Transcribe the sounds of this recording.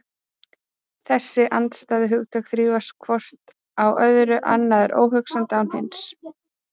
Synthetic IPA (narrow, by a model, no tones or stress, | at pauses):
θɛsːɪʔant̪st̪aːðɪɦʏɣt̪ʰœkθɾiːvaskʰvɔr̥t̪ | awʔœðɾʏʔa̰nːaðɾo̰ːwɦʏksamnt̪ːaːwnhɪns